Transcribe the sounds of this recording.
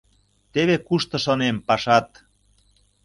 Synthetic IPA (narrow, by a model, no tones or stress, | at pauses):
t̪eβekuʃt̪ɤ̆ʃonempɑʃɑt̪